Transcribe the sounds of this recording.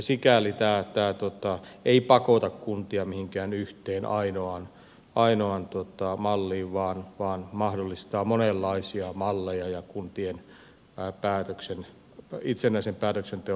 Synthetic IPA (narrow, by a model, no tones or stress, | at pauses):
sikælit̪æːt̪æːt̪uot̪ɑeipɑkot̪ɑkkunt̪iɑmihiŋkæːnyht̪eːnʔɑ̰inoɑn | ʔɑinoɑnt̪uot̪ɑmɑlːiːʋʋɑːnʋɑːnmɑhdolːist̪ɑːmonelːɑisiɑmɑlːejɑjɑkunt̪ien | pæːt̪øksen | it̪senːæisempæːt̪øksent̪e